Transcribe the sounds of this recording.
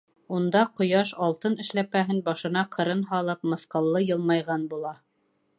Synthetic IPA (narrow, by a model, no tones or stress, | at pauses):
und̪ɑqŏjɑʃɑlˠt̪ɤnɘ̆ʃlæpæɦɘnbɑʃɤ̆nɑqʰɤ̆ɾɤnɦɑlˠɤp̚mɤ̆θqɤ̆lˠːɤjɤ̆lˠmɑjʁɑnbulˠɑ